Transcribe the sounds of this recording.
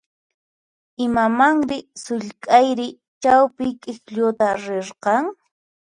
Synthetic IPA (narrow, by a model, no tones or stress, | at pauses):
ɪmamaŋɾɪsʊʎkʼajɾɪ | t͡ʃawpɪkʼɪkʎʊt̪aɾeɾqɑŋ